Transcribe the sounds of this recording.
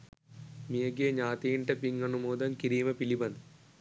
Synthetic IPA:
mijɐɡeːɲaːt̪iːɳʈɐpiŋɡɐnumoːd̪ɐmkiɾiːmɐpilibɐn

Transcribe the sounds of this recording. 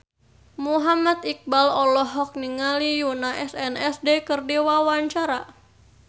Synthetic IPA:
muɦamat̪ik̚balɔlɔɦɔk̚niŋalijunaʔɛsɛnɛsdekərdiwawaɲt͡ʃaɾa

